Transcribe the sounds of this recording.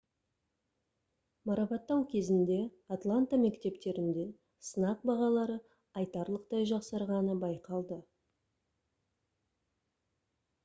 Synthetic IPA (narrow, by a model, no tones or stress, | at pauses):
mɑɾɑpɑt̪ːɑwkʲʰe̞zɪnd̪e̞at̪lˠant̪ame̞kt̪e̞pt̪e̞ɾɪnd̪e̞ | sənɑq̚bɑʁɑlˠɑɾə | ɑjt̪ɑɾlˠəq̚t̪ɑjʒɑqsɑɾʁɑnəbɑjqɑlˠd̪ə